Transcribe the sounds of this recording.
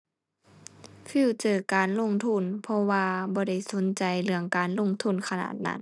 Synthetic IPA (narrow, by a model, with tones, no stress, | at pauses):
fiː˧˩˨t͡ɕɤː˨˩kaː˨nlo˧˩˨ŋt̪ʰu˧˥˨npʰɔ˧waː˧bɔː˧ɾa˧˥˩jso˨˦nt͡ɕa˨˩jlɯ˧˩əŋkaː˨nlo˧˥˨ŋt̪ʰu˧˥˨nkʰa˧na̰ː˧˩t̪̚na̰˧˥n